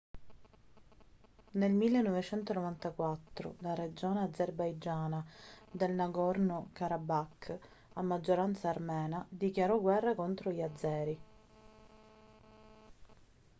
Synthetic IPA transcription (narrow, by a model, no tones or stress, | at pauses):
nelmilːenːɔvet͡ʃɛnt̪onovant̪akwat̪ːɾo̰lared͡ʒoːnead̪zerbajd͡ʒaːnad̪elnaɡɔrnokaɾabakː | amːad͡ʒːoɾant̪saːrmɛːnad̪ikjaɾɔɡwɛrːakont̪ɾoʎad̪zːɛːɾi